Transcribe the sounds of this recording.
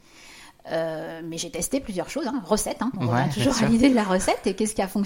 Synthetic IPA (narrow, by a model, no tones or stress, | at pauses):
ømɛʒet̪ɛst̪eplyzjœʁʃozɛ̃ʁəsɛt̪ɛ̃ɔ̃ʁəvjɛ̃t̪uʒuʁalid̪ed̪əlaʁəsɛt̪ekʲɛskʲiafɔ̃k